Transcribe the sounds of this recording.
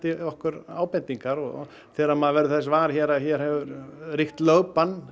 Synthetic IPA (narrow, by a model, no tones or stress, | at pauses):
t̪ɪɔhkʏɾaːwpɛnt̪iŋkaɾɔ | θɛːɾamaðvɛːɾʏθɛs̬vaːɾçɛɾaçɛːɾ̥hɛvʏɾriht̪lœːwpan